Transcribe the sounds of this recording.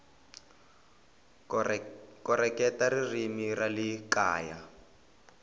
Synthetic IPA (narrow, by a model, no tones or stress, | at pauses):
kɔrɛkɛtaririmiralikaːja